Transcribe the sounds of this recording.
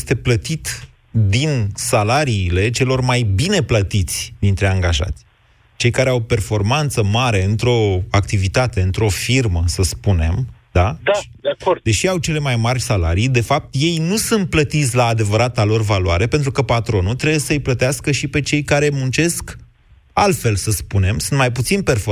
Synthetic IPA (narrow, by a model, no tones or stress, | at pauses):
st̪e̞plət̪it̪ | d̪insalaɾiːle̞t͡ʃe̞lo̞rmajbine̞plət̪it̪sʲd̪int̪ɾe̞aŋɡaʒa̰t̪sʲ | t͡ʃejkaɾeawpe̞rfo̞rmant̪səmaɾe̞ɨnt̪ɾo̞akt̪ivit̪at̪e̞ɨnt̪ɾo̞firməsəspune̞md̪̥ad̪ | akod̪e̞ʃiawt͡ʃe̞le̞majmarʲsala̰ɾijd̪e̞fap̚t̪je̞jnusunt̪̚plət̪it̪sʲlaːd̪e̞vəɾat̪alo̞rvaluwaɾe̞pent̪ɾukəpat̪ɾo̞nult̪ɾe̞bujesəɨjplət̪easkəʃipe̞t͡ʃe̞jkaɾe̞munt͡ʃe̞sk | alt̪fe̞lsəspune̞msunt̪majp̬ut̪sinperf